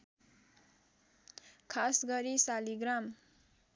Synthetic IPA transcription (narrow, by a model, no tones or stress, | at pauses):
kʰasɡʌɾisaliɡɾam